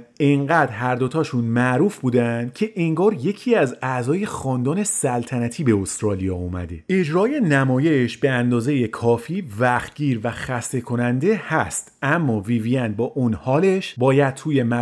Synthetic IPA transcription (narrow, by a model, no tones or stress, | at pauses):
eŋɢæːd̪ɦæɾd̪o̞t̪ʰɒːʃunmæʔɾuːfbuːd̪ænd̪̥̚cʰe̞ʔeŋɡɒːɾje̞cʰiːæzæzɒːje̞xɒːnd̪ɒːne̞sælt̪ʰænæt̪ʰiːbe̞ost̪ɾɒːlijɒːuːmæ̰d̪e̞e̞d͡ʒɾɒːje̞næmɒːje̞ʃbe̞ænd̪ɒːze̞jekʰɒːfiːvæxt̪̚ɟiːɾvæxæst̪e̞kʰo̞nænd̪e̞hæst̪ʔæmːɒːvivijænd̪̚bɒːʔunhɒːle̞ʃbɒːjæd̪̚t̪ʰuːje̞mæ